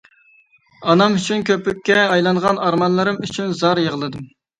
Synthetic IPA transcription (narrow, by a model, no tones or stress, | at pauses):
ɑnɑmyt͡ʃʰynkʲʰøpːykʲːɛɑjlˠɑŋʁɑnɑɾmɑnlˠɨɾɨmyt͡ʃʰynzɑɾjəʁəlˠɨd̪ɨm